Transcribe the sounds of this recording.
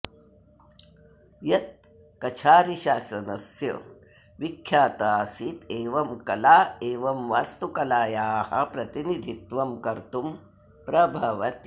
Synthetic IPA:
jɐt̪̚ | kɐt͡ʃʰaːɾiʃaːsɐnɐsjɐ̰ | ʋikʰːjaːt̪aːsit̪eːʋɐmkɐlaːeːʋɐmʋaːst̪ukɐlaːjaːhɐ̰pɾɐt̪inid̪ʱit̪ʋɐmkɐɾt̪um | pɾɐbʱɐʋɐt̪

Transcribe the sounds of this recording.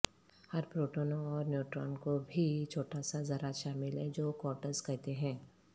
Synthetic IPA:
hɐɾpɾoːʈoːnoɔːɾnjuːʈɾa̰ːnkobʱit͡ʃʰoːʈasazɐɾaʃaːmɪlɦɛd͡ʒoːkɔːʈəɾskɐɦt̪eɦɛ̃ː

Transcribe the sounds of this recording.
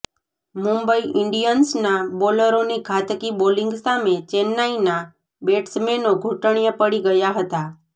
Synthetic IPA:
mũmbəiʔɪɳɖijənsnaboləɾoniɡʰʱat̪kibolĩŋɡsamet͡ʃenːaina | beʈsmenoɡʱuʈəɳ̃ijəpəɽiɡəjaɦət̪a

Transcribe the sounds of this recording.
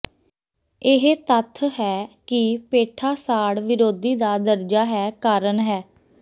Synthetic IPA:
ɪɦet̪ət̪ʰɦɛːkɪpeːʈʰaːsaːɽʋɪɾoːd̪iːd̪aːd̪əɾd͡ʒaːɦɛːkaːɾənɦɛː

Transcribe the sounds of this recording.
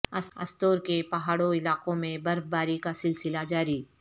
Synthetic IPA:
ɐsɐ̰st̪oːɾkepɐɦaːɽoɪlaːqõmẽbɐɾfbaːɾikasɪlsɪlad͡ʒaːɾi

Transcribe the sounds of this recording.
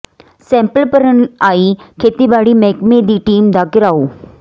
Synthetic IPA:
sɛ̃mpəlpəɾənaiːkʰet̪ibaɽiːmɛkmed̪iːʈiːmd̪aːkɪɾaoː

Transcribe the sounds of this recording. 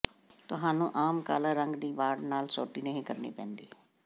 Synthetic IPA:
t̪ʊɦaːnũːʔaːmka̰ːlaːɾəŋɡd̪iːʋaːɖnaːlsɔ̰ːʈiːnəɦĩːkəɾnḛːpɛ̃ːnd̪eː

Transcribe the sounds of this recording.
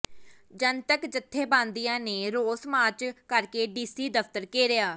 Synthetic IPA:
d͡ʒənt̪əkd͡ʒət̪ʰːeːbãːnd̪ijãːneːɾoːsmaːt͡ʃkəɾkeːɖiːsiːd̪əfʰt̪əɾkeːɾɪjaː

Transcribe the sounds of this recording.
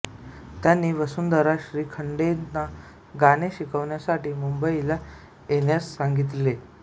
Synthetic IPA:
t̪janːiːʋəsund̪əɾaɕɾiːkʰəɳɖena | ɡaneɕikəʋɳjasaʈiːmumbəila | jenjassaŋɡit̪le

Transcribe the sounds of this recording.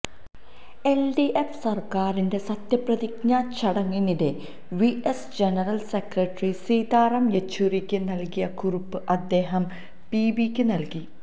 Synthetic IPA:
elɖiʔefsɐrkaːrinde̞sɐt̪jɐprɐðikɲaːt͡ɕːɐɽɐŋːinide̞ | ʋiesd͡ʑenɐrɐlse̞krɐʈrisiːd̪aːrɐmjet͡ɕːurikʲːɨnɐlkijɐkurupːɨʔɐd̪ːe̞ːɦɐm | piːbikʲːɨnɐlki

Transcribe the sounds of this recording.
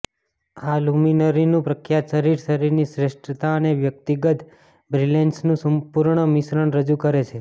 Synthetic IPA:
aluminəɾinũpɾəkʰjat̪ʃəɾiɾʃəɾiɾnisɾeʃʈɾət̪aəneʋjək̚t̪iɡət̪ | bɾilensnũsəmpuɾɳəmɪsɾəɳɾəd͡ʒukəɾet͡ʃʰe

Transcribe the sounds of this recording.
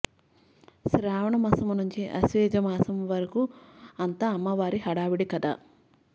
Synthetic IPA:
sɾaːʋɐɳɐmɐsɐmunuɲt͡ʃiʔɐ̰sʋeːd͡ʒɐmaːsɐmʋɐɾɐkuɐnt̪aːmːɐʋaːɾiɦɐɽaːʋiɽikɐd̪a̰ː

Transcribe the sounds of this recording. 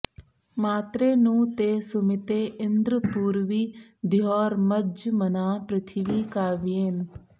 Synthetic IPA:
maːt̪ɾeːnũːt̪eːsʊmɪt̪eːɪnd̪ɾəpuːɾʋiːd̪ɪjɔːɾməd͡ʒmənaːpɾɪt̪ʰɪʋiːkaːʋieːn

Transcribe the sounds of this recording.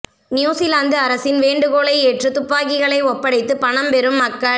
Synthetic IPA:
njuːsɪlaːnd̪ɯɐɾɐsɪnʋeːɳɖɯɣoːɭɐɪeːʈrɯt̪ʊpːaːɣɪɣɐɭɐɪɔpːɐɽɐɪt̪ːɯpɐɳɐmpɛɾɯmːɐkːɐɭ

